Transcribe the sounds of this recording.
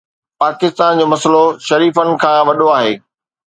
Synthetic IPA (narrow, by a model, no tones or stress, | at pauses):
paːkɪst̪aːnd͡ʑoːmɐsəloʃɐɾiːfəɽ̃̆kʰãːʋɐɗoaːɦeː